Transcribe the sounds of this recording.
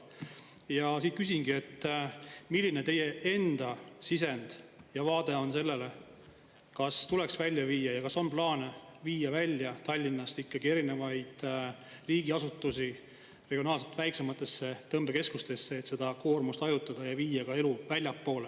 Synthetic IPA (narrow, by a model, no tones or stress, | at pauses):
jɑsiːt̪̚kysʲinɡ̥iet̪ː | milʲːine̞t̪e̞je̞e̞nd̪̥ɑsise̞nd̪̥jɑvɑːd̪̥e̞o̞nse̞lːe̞le̞ | kɑst̪ule̞ksvælʲːjɑviːjɑjɑkɑso̞nplɑːneviːjɑvælʲːjɑt̪ɑlʲːinːɑst̪ikːɑɡie̞ɾine̞vɑjd̪̥riːɡ̥iɑsut̪ːˑusi | re̞ɡ̥io̞nɑːlset̪væjkse̞mɑt̪ːˑe̞sːe̞t̪ːɤmb̥e̞ke̞skust̪e̞sːe̞ːt̪se̞d̪ɑko̞ːrmust̪ɑjut̪ːˑɑd̪̥ɑjɑviːjɑkɑe̞luvælʲjɑpːo̞ːle